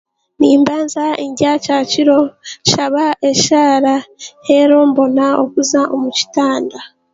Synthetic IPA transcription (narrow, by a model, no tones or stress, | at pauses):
niːmbaːnzaiɲɟacaːciɾo̞ʃaβaʔe̞ʃaːɾahe̞ɾoːmbo̞nao̰kuzaʔomuci̥taːnda